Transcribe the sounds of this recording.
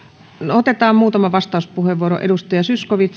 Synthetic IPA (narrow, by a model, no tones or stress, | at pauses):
not̪et̪ɑːmmuːt̪ɑmɑʋɑst̪ɑˑuspuheʋʋuoɾo̰ʔḛdust̪ɑjɑsyskoʋit̪